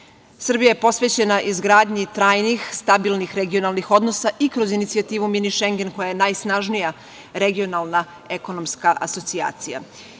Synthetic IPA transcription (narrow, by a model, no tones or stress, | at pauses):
sr̩bijaje̞po̞sʋe̞t͡ɕe̞naʔizɡɾaːd̪ɲit̪ɾaːjnixst̪abilˠnixɾeɡio̞nalˠnixo̞d̪no̞saʔikɾo̞zinit̪sijat̪iːʋuminiʃeŋɡe̞nko̞jajenajsnaʒnija | ɾeɡio̞nalˠna | e̞ko̞no̞mskaʔa̰so̞t̪sia̰ːt̪sija̰